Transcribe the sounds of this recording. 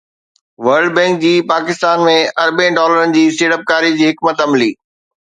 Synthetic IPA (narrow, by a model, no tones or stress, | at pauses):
ʋɐɾɖbɛ̃ːŋk̚d͡ʑiːpaːkɪst̪aːnmẽɐɾbẽɖɔːləɾənɪ̆d͡ʑiːsʈeːʈəp̚kaːɾid͡ʑiːɦɪkmət̪ɐmliː